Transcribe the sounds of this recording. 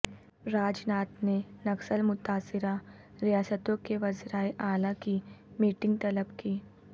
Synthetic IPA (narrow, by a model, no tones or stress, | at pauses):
ɾaːd͡ʒnaːt̪nenɐksəlmʊt̪aːsɪɾa | ɾijaːsət̪õkeʋɐzɾaːeʔaːlakimiːʈɪ̃ŋɡ̚t̪ɐləbkiː